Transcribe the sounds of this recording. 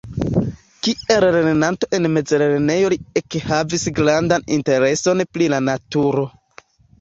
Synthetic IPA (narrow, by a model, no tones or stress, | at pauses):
kie̞lɾenenanto̞ʔe̞nme̞d͡zeɾeɾene̞jo̞liekhavisɡɾandanḭnte̞ɾe̞so̞nplilanatuɾo̞